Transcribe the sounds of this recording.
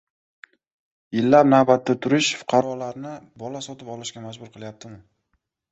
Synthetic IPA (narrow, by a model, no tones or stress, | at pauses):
ɪlːapnawbat̪ːat̪ʰʊɾɪʃfʊ̥qʰɑɾɒlaɾnɪbɒlasɒt̪ɪpɒlɪʃkʲamad͡ʒbʊɾqʰɨlˠjap̚t̪ʰɪmɪ